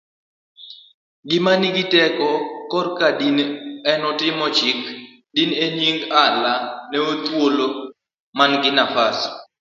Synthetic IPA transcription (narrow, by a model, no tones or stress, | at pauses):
ɡɪmanɪɡɪtɛkɔkɔrkadinɛnɔtɪmɔt͡ʃɪk | dineɲiŋɡalanɛot̪wolo | manɡɪnafas